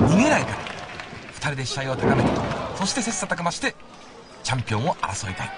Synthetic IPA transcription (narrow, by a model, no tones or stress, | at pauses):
ɲʲimʲieɾaika | ɸɯ̥t̪aɾʲid̪e̞ɕi̥aiot̪akamet̪eso̞ɕi̥t̪e̞se̞sɨ̥at̪akemaɕi̥t̪e̞ | t͡ɕãmpʲiõ̞ɰ̃o̞ʔa̰ɾasoit̪a